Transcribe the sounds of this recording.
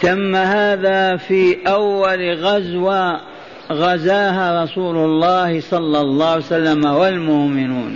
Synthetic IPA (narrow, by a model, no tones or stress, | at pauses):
t̪amːahaːðaːfiːʔawːalɣazwa | ɣazaːɦaːɾˤɑsuːlʊlˤːɑːhɪsˤɑlːɑlˤːɑːhsalːamawalmʊʔmɪnṵːn